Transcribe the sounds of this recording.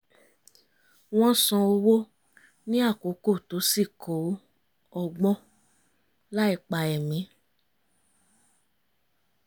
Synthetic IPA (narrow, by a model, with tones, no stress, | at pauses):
w̃ɔ̃˦sɔ̃˧o˧wo˦ | nĩ˦a˦˨ko˨˦ko˦˨to˨˦si˦˨kʰo˨˦ | ɔ˧ɡ͡bɔ̃˦ | la˦i˧k͡pa˧ɛ˨mĩ˨˦